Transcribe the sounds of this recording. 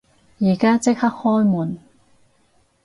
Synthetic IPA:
jiː˨˩kaː˥t͡sɪ˥k̚hɐ˥k̚hɔː˥jmuː˨˩n

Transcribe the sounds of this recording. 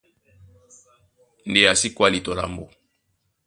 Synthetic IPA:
n˨de˨ja˨si˦kwa˦li˨to˨la̰˨mbo˨

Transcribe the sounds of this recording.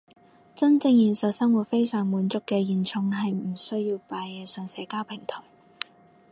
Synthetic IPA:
t͡sɐ˥nt͡sɪ˧ŋjiː˨˩nsɐ˨˩wsɐ˥ŋwu˨˩t̚fe˥jsœː˨˩ŋmuː˨˥nt͡sʊ˥kːɛː˧jiː˨nt͡sʰʊ˧ŋɦɐ˨jm̩˨˩sɵ˥ɥjiː˧wpaː˨˧jɛː˨˧sœː˨ŋsɛː˨˧kaː˥wpʰɪ˨˩ŋt̪ʰɔː˨˩j

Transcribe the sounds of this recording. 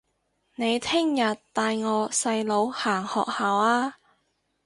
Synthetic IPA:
ne˨˧jt̪ʰɪ˥ŋjɐ˨t̪t̪ːaː˨˧jŋɔː˨˧sɐ˧jlo˨˧whaː˨˩ŋhɔ̰ː˨k̚haː˨waː˧

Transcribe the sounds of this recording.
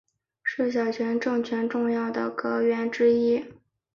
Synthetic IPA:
ʂɻ̩˥˩ɕ̬jɑ˨˩ʊt͡ɕʰɥɛ˧˥nʈ͡ʂɤ˥˩ŋt͡ɕʰɥɛ˧˥nʈ͡ʂʊ˥˧ŋjɑ˥˩ʊd̪ə̰˩kɤ˧˥ɥɛ˧˥nʈ͡ʂɻ̩˥i˥

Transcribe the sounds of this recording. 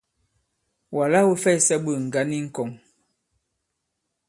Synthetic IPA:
wa˨la˦wə˦fɛ˦˨sɛ˦ɓə˨ŋ̩˨ɡa˨˦ni˦ŋ̩˦˨kɔ˨ŋ

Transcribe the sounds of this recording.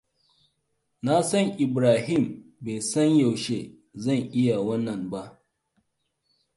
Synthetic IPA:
na˦sɐ˦ŋʔɪ˨bɾaː˨hɪ˦˨mbe˨sɐ˦ɲja˨wʃe˦ | zɐ˦˨ŋʔɪ˦ja˨wɐ˦nːɐ˨mba˦ʔ

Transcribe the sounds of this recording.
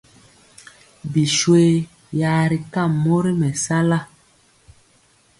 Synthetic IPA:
bi˨ʃwe˦ | jaː˨˦ɾi˨ka˦˨mːo˦ɾi˦mɛ˨sa˦la˦

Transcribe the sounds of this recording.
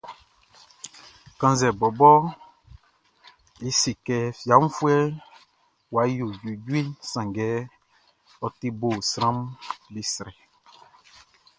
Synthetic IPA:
kã˦zɛ˨bɔ˨bɔ˦ | i˦si˨kɛ˨fja˨˦m̩u˦fwɛ˦ | wa˨˦jo˨ju˨d͡ʒwi˦sã˨ŋɡɛ˨˦ | ɔ˨ti˦bo˨sɾã˦mli˦sɾɛ˨

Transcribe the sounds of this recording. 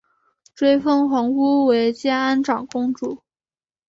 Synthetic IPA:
ʈ͡ʂwe˥ɪfɤ˥ŋxɤ˧˥ŋu˥we˧˥ɪt͡ɕjɛ˥na˥nʈ͡ʂɑ˨˩ŋkʊ˥ŋʈ͡ʂu˨˩˦

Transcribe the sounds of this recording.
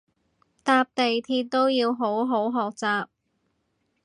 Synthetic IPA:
t̪aː˧p̚t̪e˨jt̪ʰiː˧˥t̚t̪o˥wjiː˧wɦo˨˥wɦo˨˥wɦɔː˨k̚t͡saː˨p̚

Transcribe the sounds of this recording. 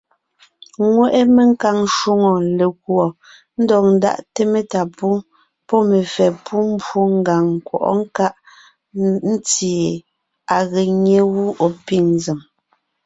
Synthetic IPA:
ŋwɛ˦˨ʔe˦me˨ŋ̩˦ka˨ŋ˦ʃu˦ŋo˨le˨kwɔ˨ | n̩˦dɔ˨k̚n̩˨da̰˦ʔte˦me˦ta˨pu˦ | pɔ˦me˨fɛ˨pʰu˦m̩˦bo˦ŋ̩˦ɡa˨ŋ˨kwɔ̰˨ʔɔ̰˦ŋ̩˦ka˦ʔ | n̩˦t͡si˨e˨ | a˨ɣe˨ɲe˦ɣu˦ʔo˨pi˦˨ŋnzi˨m

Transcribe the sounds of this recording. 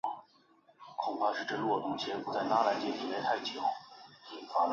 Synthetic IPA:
kʰʊ˨˩ŋpʰa˥˧ʂɻ̩˥˧ʈ͡ʂə˥˧lwɔ˥˩t̪ʊ˧˥ŋt͡ɕʰjɛ˥˩pu˧˥t͡sa˥˩ɪna˥la˧˥t͡ɕjɛ˥˩t̪ʰi˨˩le˧˥ɪt̪ʰa˥˩ɪt͡ɕʰjɑ˨˩˦ʊ | fa˧˥

